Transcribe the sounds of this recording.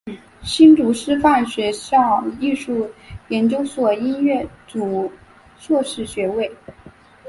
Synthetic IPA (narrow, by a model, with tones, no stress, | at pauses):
ɕi˥nt͡su˧˥ʂɻ̩˥fa˥˩nɕɥɛ˧˥ɕɑ˥˧ŋi˥˧ʂu˥˩jɛ˧˥nt͡ɕjo˥ʊswɔ˨˩i˥nɥɛ˥˩t͡su˨˩ | ʂwɔ˥˧ʂɻ̩˥˩ɕɥɛ˧˥we˥˩ɪ